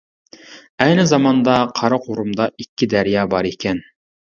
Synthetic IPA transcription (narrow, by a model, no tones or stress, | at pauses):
ɛjnɪzɑmɑnd̪ɑqʰɑɾɑqʰoɾumd̪ɑʔikʲʰːid̪æɾijɑːbɑɾekʲʰɛn